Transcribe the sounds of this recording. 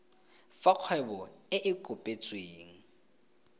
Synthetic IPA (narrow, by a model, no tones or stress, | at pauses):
faq͡χʰwɛbɔɪʔɪkʼʊpʼet͡sʼweːŋ̩